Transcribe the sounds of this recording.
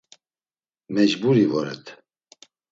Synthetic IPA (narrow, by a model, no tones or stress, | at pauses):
mɛʒbuɾivɔɾɛ̰t̪ʰ